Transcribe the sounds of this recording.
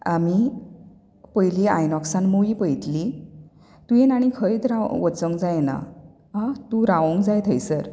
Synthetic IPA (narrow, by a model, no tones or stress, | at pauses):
ami | pəjliajnɔksãnmoʋiːpəjt̪li | t̪ujenaɽ̃ikʰəit̪ɾaʋʋət͡səŋd͡zajna̰ | ɦãt̪uɾaʋə̃ŋɡd͡zajt̪ʰəjsəɾ